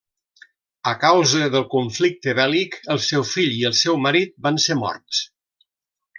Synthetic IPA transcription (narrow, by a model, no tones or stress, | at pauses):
əkawzəðəlˠkuɱflik̚t̪əβɛlikəlˠsɛwfiʎiəlˠsɛwməɾit̪̚bansemɔ̰rts